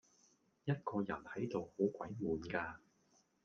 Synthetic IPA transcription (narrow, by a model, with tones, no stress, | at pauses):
jɐ˥t̚kɔː˧jɐ̰˨˩nhɐ˨˥jt̪o˨who˨˥wkʷɐ̰˨˥jmuː˨˧nkaː˧